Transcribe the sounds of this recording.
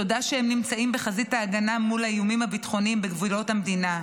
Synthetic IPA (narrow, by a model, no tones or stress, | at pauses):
odaʃehemnimt͡saimbeχazitaːɡanamulhajjumimhabitχo̞nimbeɡvulo̞thamdina